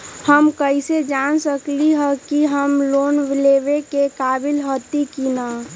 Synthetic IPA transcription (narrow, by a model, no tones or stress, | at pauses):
həmkəised͡ʒaːnsəkliɦə̃kiɦəmloːnʋleːʋekekaːbɪlɦot̪ikina